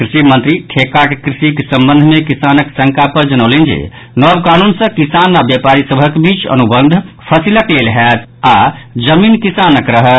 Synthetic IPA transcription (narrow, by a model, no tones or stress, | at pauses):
kɾisimənt̪ɾiʈʰekakekɾisikesəmbə̃nd̪ʱmekisanəksəŋkapəɾd͡ʒənəʊlend͡ʒḛ | nɔbkanunsə̃kisanabjəpaɾisəbʱəkbit͡ʃə̰nubənd̪ʱ | pʰəsiləklelɦɛt̪ad͡ʒəminkisanəkɾəɦət̪